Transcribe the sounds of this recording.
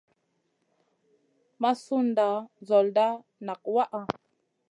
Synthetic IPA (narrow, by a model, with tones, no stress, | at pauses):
ma˦su˦nda˨zo˨lda˦ | na˨k̚wa˦ʔa˨